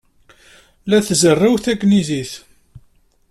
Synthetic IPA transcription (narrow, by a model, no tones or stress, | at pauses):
læθzərˤːawθækːniziθ